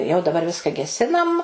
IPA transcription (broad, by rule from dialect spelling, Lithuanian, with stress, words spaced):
jɛʊ dɐˈbɐr ˈʋʲɪskɐ ɡʲɛˈsʲɪnɐm